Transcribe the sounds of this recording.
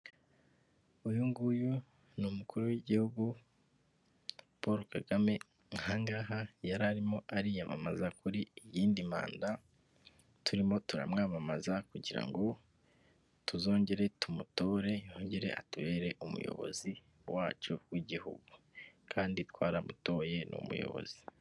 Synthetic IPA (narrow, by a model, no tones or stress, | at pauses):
ujuŋɡuju | numukuɾuwiɟihuɡu | po̞ɾokaɡame̞ | ŋhaŋɡaːɦajaɾaɾimo̞ʔaɾijama̰ma̰zakuɾiːjiːndima̰ːnda | tʰuɾimo̞tuɾa̰mŋaːmamazakuɟiɾa̰ŋɡo̞ | tuzo̞ːɲɟe̞ɾe̞tumuto̞ːɾe̞hoːɲɟe̞ɾe̞̰ʔa̰tuβe̞ːɾe̞ʔumṵjo̞̰βo̞̰zi | wa̰ːt͡ʃowiɟihuɡukʰaːnditwaːɾamuto̞ːje̞nṵmṵjo̰βo̞̰z̥i̥